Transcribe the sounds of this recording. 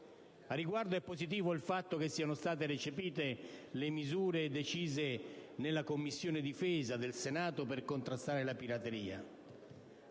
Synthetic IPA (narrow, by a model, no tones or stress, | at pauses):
arːiɡward̪oɛpːozit̪̬iːvoilfat̪ːok̟esːiːanost̪aːt̪̬eɾet͡ʃepiːt̪elemizuːɾed̪et͡ʃiːzenelːakomːisːjoːnɪd̪ifeːzad̪elsenaːt̪operkont̪ɾast̪aːɾelapiɾat̪eɾiːa̰